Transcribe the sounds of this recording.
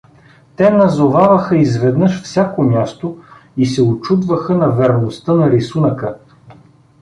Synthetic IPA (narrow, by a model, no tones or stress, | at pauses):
t̪ɛnɐzovavɐxəizvɛd̪nəʃfsʲjakomʲjast̪o | isɛot͡ʃud̪vəxənɐvɛɾnost̪ənɐɾisunəkə